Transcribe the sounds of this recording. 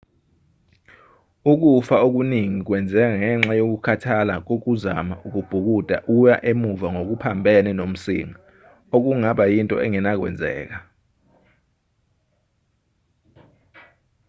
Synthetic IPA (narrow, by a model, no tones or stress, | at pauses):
uk̬ufaok̬uniŋik̬wɛnd͡zʱɛk̬aŋɛŋ͡ǁajok̬ukʰatʰalak̬ok̬uza̰maʔuk̬ub̥ʱuk̬ud̥ʱa̰ʔujaʔemuvaŋok̬upʰambʱɛnɛnom̩sḭŋa | ok̬uŋaɓajintʼɔ̰ɛŋɛnak̬wɛ̰nd͡zʱɛ̰ːk̬a